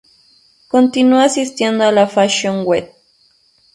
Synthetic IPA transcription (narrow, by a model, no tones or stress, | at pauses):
kont̪inuasist̪jend̪oalafaʃoŋwet̪̚